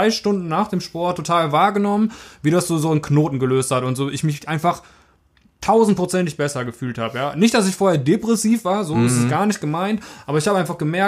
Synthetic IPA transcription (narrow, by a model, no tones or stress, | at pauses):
aɪʃtʊndn̩naːχd̥eːmʃpɔɐtʰːotʰaːlvaːɐɡənɔmənviːɾasz̥oːzoːɪnkʰnoːtn̩ɡəløːsthatʊntz̥oːʔɪçmɪçʔaɪnfaχ | tʰaʊzn̩t̚pʁ̥ot͡sɛntɪçb̥ɛsɐɡəfyːltha̰ːbəjaːnɪçt̚d̥as̬ɪçfoːɐheːɐdepʁ̥ɛsiːfv̥aːɐzoːɪstɛsɡ̥aːɐnɪçt̚ɡ̥əmaɪntʔaːbɐɪçhaːbəaɪnfaχɡ̥əmɛɐ